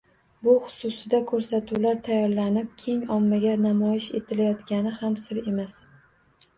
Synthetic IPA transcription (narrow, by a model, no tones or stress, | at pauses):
bʊχʊ̥sʊsɪd̪akʰɵɾsat̪ʰuwlaɾt̪ʰajɒɾlanɪp̚kʲʰe̞ŋɒmːaɡʲanamɒjɪʃe̞̰t̪ʰɪlajɒt̪ɡʲanɪhamsɪɾe̞mas